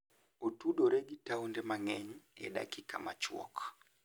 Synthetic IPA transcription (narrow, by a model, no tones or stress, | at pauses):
otuɗoɾeɡitaundɛmaŋɛɲɛ̰ɗa̰kika̰mat͡ʃwɔ̰k